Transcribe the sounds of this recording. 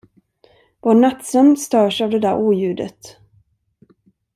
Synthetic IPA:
vɔɳat̪sœmst̪œːʂavd̪ɛd̪æɾʔuːjʉ̟ːd̪ə̰t̪

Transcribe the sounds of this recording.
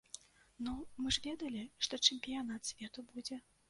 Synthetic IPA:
numɨʐvʲɛd̪ɐlʲiʂt̪ɔt͡ʂɛmʲpʲijanat̪sʲvʲɛt̪ubud͡zʲɛ

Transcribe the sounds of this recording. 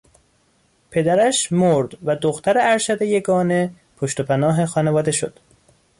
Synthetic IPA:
pʰe̞d̪æɾæʃmoɾd̪̥væd̪oxt̪ʰæɾeæɾʃæd̪ejeɡɒːne̞ | pʰoʃt̪opʰænɒːɦexɒːnevɒːd̪e̞ʃo̰d̪̥

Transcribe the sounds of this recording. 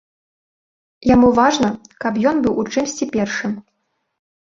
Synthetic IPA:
jamuvaʐnɐkɐpjɔnbɨwʔut͡ʂɨmsʲt͡sʲipʲɛrʂɨm

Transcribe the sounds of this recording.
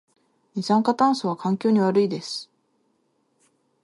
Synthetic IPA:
ɲʲisãŋkat̪ãɰ̃soβ̞akãŋkʲo̞ːɲ̟iβaɾɯid̪e̞sɨ̥

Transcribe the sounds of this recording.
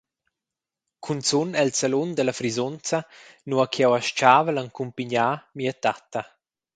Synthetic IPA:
kʰunt͡sunɛlsalund̪əlafɾizɔnt͡sanuakʰjɛwaʃt͡ʃaːvəlaŋkumpiɲaːmiat̪at̪a

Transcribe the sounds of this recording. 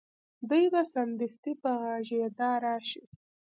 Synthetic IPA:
d̪ujbasand̪ɪst̪ipaɣɑʒed̪ɑɾɑʃi

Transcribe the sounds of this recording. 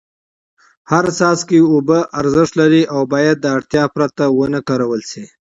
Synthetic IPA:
haɾsɑskeubəʔaɾzɪʂt̪laɾiʔawbɑːjad̪̚ːəaɽt̪jɑpɾat̪awənəkaɾawəlsi

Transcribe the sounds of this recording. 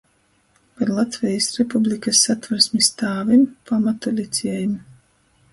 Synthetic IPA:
paɾlˠat̪vʲɛjisɾepublʲikasːat̪vaɾsmist̪aːvimpamat̪ulʲit̪sʲɛɛjum

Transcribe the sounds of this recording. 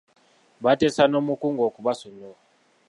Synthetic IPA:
βatesanomukuŋɡokuβasono

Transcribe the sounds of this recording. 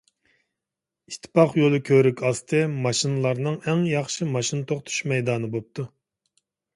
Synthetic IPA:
iʃt̪ʰːɨ̥pʰɑχjolˠɨkʲʰøɾykʲʰɑst̪ʰɨmɑʃinɨlˠɑɾnɨŋɛŋjɑχʃimɑʃinɨt̪ʰoqt̪ʰy̥ʃmɛjd̪ɑːnɨbop̚t̪ʰu

